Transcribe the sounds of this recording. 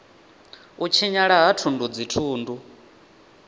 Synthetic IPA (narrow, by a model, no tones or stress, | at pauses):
ut͡ʃʰiɲaɺaɦatʰundud͡zitʰuːndu